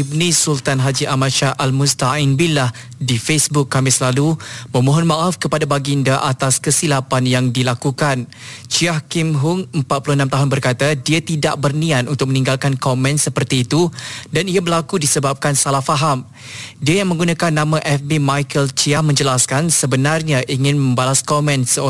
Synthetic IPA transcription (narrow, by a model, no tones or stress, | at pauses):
ibnĩsult̪anɦad͡ʒiʔamatʃaʔalmust̪ainbilah | difesbʊkːamɪslaluməmõɦɔnmaʔafkəpadabaɡindaʔat̪askəsilapanjaŋdilakukan | t͡ʃiahkimɦʊŋəmpat̪̚puluənãmt̪aɦʊnbərkat̪adiat̪ida̰ʔ̚bərnĩat̪unt̪ʊk̚mənĩŋɡalkankɔmɛ̃nsəpərt̪iːt̪udaniabəlakudisəbap̚kansalahfaɦam | diajaŋmə̃ŋɡunakanːãmãʔɛfbimajkəlt͡ʃiahmə̃ɲd͡ʒəlaskansəbənarɲaʔiŋɪ̃nmə̃mbalaskɔmɛ̃nsəo